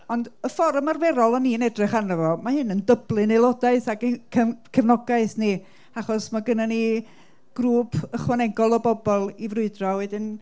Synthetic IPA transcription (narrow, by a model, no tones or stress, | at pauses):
ɔndəfɔɾmarvɛɾɔlˠəniənɛdrɨχanəvɔmahɨnəndəblˠɨnejlˠɔdaɨθaɡkʰəkʰəvnɔɡaɨθni | aχɔsmaɡənani | ɡ̥ruːpʰəχwanɛɡɔlˠɔbɔbɔlˠivrʊɨdrɔwɛdɪn